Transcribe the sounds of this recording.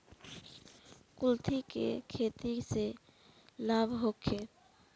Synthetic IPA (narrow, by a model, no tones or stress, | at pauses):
kult̪ʰikḛkʰet̪ise | labʱɦokʰːe